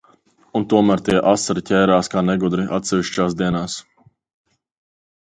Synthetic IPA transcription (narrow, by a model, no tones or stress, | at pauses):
unt̪uɔmæːɾt̪iɛʔasaɾicʲɛːɾaːskaːnɛɡud̪ɾiʔa̰t̪sɛviʃt͡ʃaːsd̪iɛnaːs